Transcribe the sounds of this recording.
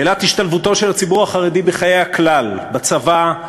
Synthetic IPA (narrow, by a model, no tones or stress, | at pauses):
elat̪hiʃtalvutoʃelhat͡sibuʁaχaʁedibeχajejhaklalbat͡sava